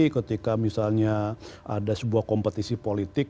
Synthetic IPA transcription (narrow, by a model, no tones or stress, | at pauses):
kət̪ikamisalɲaʔa̰dasəbuahkompət̪isipolit̪ɪk̚